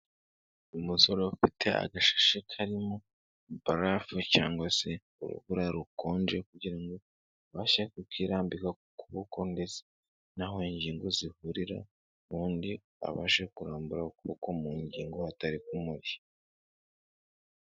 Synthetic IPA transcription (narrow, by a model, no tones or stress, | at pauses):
umuso̞ɾo̞ufitʰe̞a̰ɡaʃḁʃekʰaɾimo | baɾafuca̰ːŋɡwase̞ | ṵɾṵβuɾaɾuko̞ːnd͡ʒekuɟiɾaŋɡo̞ | βaːʃekukiɾaːmbika | kuβokʰonde̞ze̥ | naɦo̞iɲɟiːŋɡozihuɾiɾa̰ | βuːndi | a̰βa̰ːʃekuɾaːmbuɾakukomuɲɟiːŋɡohataɾikumuɾi